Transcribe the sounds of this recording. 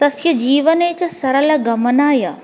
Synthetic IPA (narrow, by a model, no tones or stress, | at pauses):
t̪ɐsjɐd͡ʑiːʋənet͡ɕɐsɐɾəlɐɡɐmənaːja